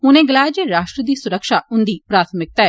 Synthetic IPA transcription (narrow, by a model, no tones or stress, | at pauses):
ɦʊnẽːɡəlaːjd͡ʒeɾaːʃʈɾəd̪iːsʊɾəkʃaːʊnd̪iːpɾaːt̪ʰmɪk̚t̪aːɛ